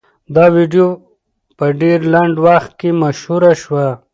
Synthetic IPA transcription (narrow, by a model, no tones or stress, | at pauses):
d̪aːwiɖijo | pəɖeɾlaɳɖwaxt̪̚kemaʃhuɾaʃwa